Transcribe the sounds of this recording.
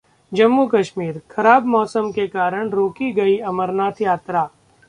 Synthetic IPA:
d͡ʒɐmːukɐʃmiːɾxʰɐɾaːbmɔːsəmkekaːɾəɽ̃ɾoːkiɡɐiɐməɾnaːt̪ʰjaːt̪ɾaː

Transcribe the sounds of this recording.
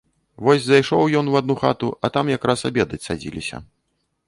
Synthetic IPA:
vɔsʲzajʂɔwjɔnwad̪̚nuxa̰t̪uɐt̪amjakɾasabʲɛd̪ɐt͡sʲsa̰d͡zʲilʲḭsʲɐ̰

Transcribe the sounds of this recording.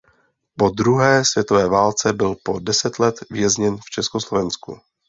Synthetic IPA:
po̞d̪ɾuɦɛːsvjɛt̪ovɛːvaːlt͡sɛbɪlpo̞dɛsɛt̪lɛt̪vɪjɛzɲɛnft͡ʃɛskoslovɛnskṵ

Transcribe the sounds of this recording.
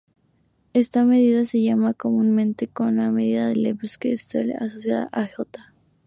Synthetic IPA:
e̞st̪ame̞ð̞iðase̞ʝamako̞munmẽnt̪e̞ko̞nlameðiðaðelepskeːst̪alasosjaða̰ʔaxot̪ḁ

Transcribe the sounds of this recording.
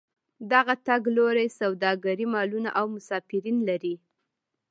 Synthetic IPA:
d̪aɣat̪aɡloɾajsawd̪ɑɡaɾimɑluna̰ʔawmʊsɑfɪɾinlaɾi

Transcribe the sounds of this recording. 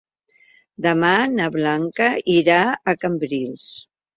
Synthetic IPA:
d̪əmanaβlaŋkəiɾaəkəmbɾilˠs

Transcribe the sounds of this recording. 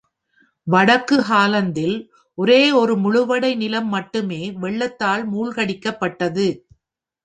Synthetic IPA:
ʋɐɽɐkːɯɦaːlɐnd̪ɪl | ʔɔɾeːɔɾɯmʊɻʊʋɐɽɐɪnɪlɐmːɐʈːɯmeːʋɛɭːɐt̪ːaːlmuːɭɣɐɽɪkːɐpːɐʈːɐðɯ

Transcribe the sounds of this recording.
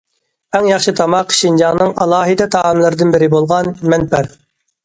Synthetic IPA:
ɛŋjɑχʃɨt̪ʰɑmɑqʰʃind͡ʒɑŋnɨŋɑlˠɑːɦɨd̪ɛt̪ʰɑːmlˠɨɾɨd̪ɨnbɪɾɪbolˠʁɑnmɛnpʰæɾ

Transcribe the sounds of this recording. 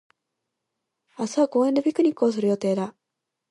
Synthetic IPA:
asaako̞ːend̪ebʲikɯ̟ɲ̟ikːɯ̟o̞s̬ɨɾɯ̟jo̞t̪e̞ːd̪a

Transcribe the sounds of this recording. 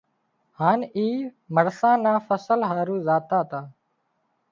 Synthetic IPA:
haːniː | məɽsãːnãːfəsəlɦaːɾũːzaːt̪aːt̪aː

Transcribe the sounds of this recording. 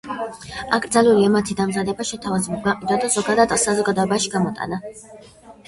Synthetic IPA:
akʰd̪zaluliɛmat̪ʰid̪amzad̪ɛbaʃɛt̪ʰavazɛbɔb̪ɡaqʼid̪wad̪azɔɡad̪ad̪sazɔɡad̪ɔɛbaʃiɡamɔt̪ʼa̰na

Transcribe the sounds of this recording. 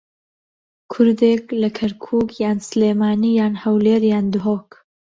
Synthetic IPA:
kʰʊɾd̪eklɐkʰɐɾkʰuːkʰjaːnsleːmaːnijaːnhɐwleːɾjaːnd̪ʊɦoːk

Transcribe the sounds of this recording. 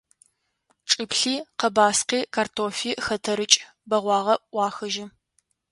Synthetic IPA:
ʈ͡ʂʼɨpɬiːqɐbaːsqiːkʰartʰoːfiːxɐtʰɐɾɨt͡ʃʼ | bɐʁʷɑːʁɐʔʔʷɑːxɐʒɪ

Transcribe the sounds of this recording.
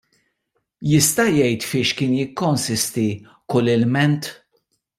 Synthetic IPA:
jɪst̪ɐjɛjt̪fɪːʃkɪːnjɪkːɔnsɪst̪i | kʊlːɪlmɛnt̪

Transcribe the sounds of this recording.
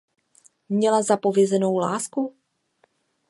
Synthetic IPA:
mɲɛlazapo̞vjɛzɛno̞wlaːsku

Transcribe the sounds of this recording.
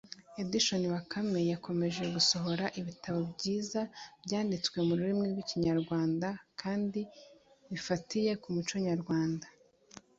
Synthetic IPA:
ediʃo̞niwakʰame̞jako̞me̞ʒeɡuso̞ɦo̞ɾaʔiβitʰaβo̞bɟiːzabjaːndit͡swe̞muɾuɾimŋiɾɡwiciɲaɾɡwaːndakʰaːndi | βifatije̞kumut͡ʃoɲaɾɡwaːnda

